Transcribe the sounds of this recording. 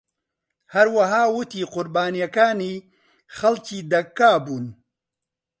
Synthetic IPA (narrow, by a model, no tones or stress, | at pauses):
hɐɾwaɦaːwut̪iːqʊɾbaːnijakaːni | xɐlt͡ʃid̪ɐkːaːbun